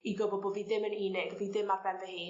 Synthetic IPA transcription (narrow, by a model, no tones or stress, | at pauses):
iɡɔbɔbɔviðɪməniːnɛɡviðɪmarbɛɾðɛhɪː